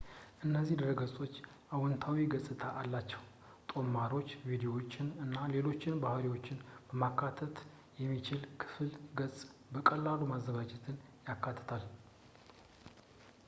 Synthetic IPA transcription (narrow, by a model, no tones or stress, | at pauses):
ʔɨnːəzːihd̪əɾəɡəsʼo̞t͡ʃː | ʔawɔnt̪ʰawiɡəsʼɨt̪ʰaʔalːat͡ʃːɛw | t̪ʼo̞mːaɾo̞t͡ʃːvid̪iowot͡ʃːɪnɨnːale̞lo̞t͡ʃːɪnbahəɾiwo̞t͡ʃːɪnb̥əmakʰːat̪ʰət̪ | jɛmːit͡ʃɪlkʰɨ̥fɨlɡəsʼbəkʼəlːalumazːəɡad͡ʒɛt̪ʰɨnjakːat̪ʰːə̥t̪ʰal